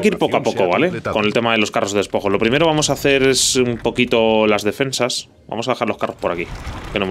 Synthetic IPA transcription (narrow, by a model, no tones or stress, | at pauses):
keiɾpo̞koapo̞koβ̞alekonelt̪e̞maðe̞lo̞skaro̞zðeespo̞xo̞lo̞pɾime̞ɾoβamo̞saːθe̞ɾesumpo̞kit̪o̞lazðe̞fe̞nsas | ba̰mo̞saðexaɾlo̞skaro̞spo̞ɾakikenom